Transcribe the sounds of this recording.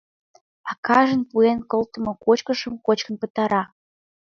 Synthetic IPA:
ɑkɑʒə̆npuenkɤlt̪ə̆mŏkot͡ɕkə̆ʃəmkot͡ɕkə̆npə̆t̪ɑɾɑ

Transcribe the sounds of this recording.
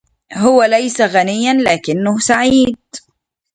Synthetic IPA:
hʊwalajsaɣanɪjːanlaːkɪnːahsaʕiːd̪̚

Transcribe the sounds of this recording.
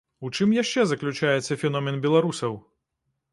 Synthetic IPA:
ut͡ʂɨmjaʂt͡ʂɛzɐklʲut͡ʂajɛt̪sːɐfʲɛnɔmʲɛnbʲɛlˠaɾusɐw

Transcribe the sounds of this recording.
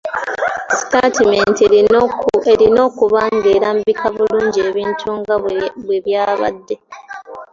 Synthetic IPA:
si̥tatiment | eɾino̞ːkuβaːŋɡeːɾambikʰaβuluːɲɟieːβiːntʰuŋɡaβweβjaːβa̰dːe

